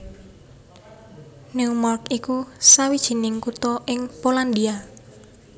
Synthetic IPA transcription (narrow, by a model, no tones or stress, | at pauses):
niumarkikusawid̥ʒ̥i̤nɪŋkut̪ɔʔɪŋpoland̪ia